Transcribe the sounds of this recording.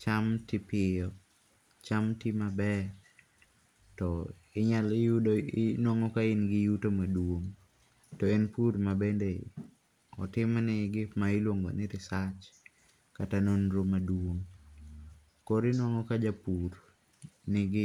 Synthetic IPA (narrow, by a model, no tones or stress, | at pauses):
t͡ʃamtɪpɪjɔ | t͡ʃamtɪmabɛ | tɔ | ɪɲalɪjudoɪnwaŋɔkaɪnɡɪjutomadwoŋ | tɔenpuɾmabendḛ | ɔ̰tɪmnɪɡɪpmaɪlwoŋɡo̰nɪɾɪsat͡ʃ | katanonɾomadwwoŋ | koɾɪnwaŋɔkad͡ʒapuɾ | nɪɡɪ